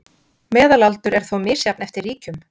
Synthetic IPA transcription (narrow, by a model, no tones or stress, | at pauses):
mɛːðalalt̪ʏɾɛɾ̥θowmɪːsjapnɛft̪ɪrːiːcʏm